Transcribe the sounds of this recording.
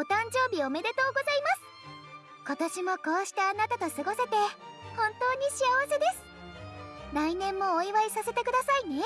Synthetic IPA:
ot̪ãɲ̟d͡ʑo̞ːbʲio̞me̞d̪e̞t̪o̞ːɡo̞zaimasɨ̥ | ko̞t̪oɕimo̞ko̞ːɕi̥t̪eanat̪at̪o̞sɨɡo̞se̞t̪e̞hõ̞nt̪o̞ːɲ̟iɕiaβase̞d̪e̞sɨ̥ | ɾainẽ̞mːo̞ːiβaisase̞t̪e̞kɯ̟d̪asaine̞

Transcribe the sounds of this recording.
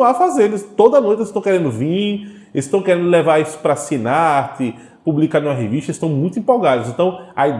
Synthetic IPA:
afazelɪst̪od̪ɐnojt̪est̪ɐ̃w̃kɛɾẽnd̪ʊvĩ | est̪ɐ̃w̃kɛɾẽnd̪ʊlɛvaɾisʊ̥pɾɐsinat̪ɪ | publikaɾnũmɐɦeviʃt̪ɐɪst̪ɐ̃w̃mũj̃t̪ʊĩpoɡad̪ɐzẽnt̪ɐ̃w̃ɐid̪

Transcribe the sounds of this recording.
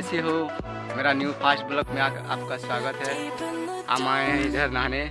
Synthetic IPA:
seɦo | meːɾanjupʰaːsʈ̚bʊlkmẽaːka̰ːp̚kaswaːɡət̪ɦɛ | a̰ːmaːẽid̪ʱəɾnaːne

